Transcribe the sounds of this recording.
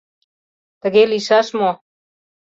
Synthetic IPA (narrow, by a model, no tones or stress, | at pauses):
t̪əɡeliʃaʃmo